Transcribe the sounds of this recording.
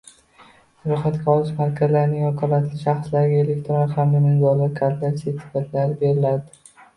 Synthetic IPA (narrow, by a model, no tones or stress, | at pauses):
sʊɾɒχat̪kʲaɒlˠɪʃmaɾkʲʰazlaɾnɪŋɒkʰɒlat̪ʰlɪʃaχslaɾɪɡʲaele̞k̚ʲt̪ɾonɪhamd̪amɪnzɒɾlːaɾkʰaɾt̪laset̪ʰːɪ̥fat̪ʰlaɾɪbeɾɪlad̪ɪ